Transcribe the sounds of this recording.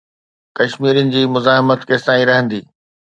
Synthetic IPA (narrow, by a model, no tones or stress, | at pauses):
kɐʃmiːɾjʊnɪ̆d͡ʑiːmʊzaːɦɪmət̪keːsãːĩɾɐɦə̃nd̪iː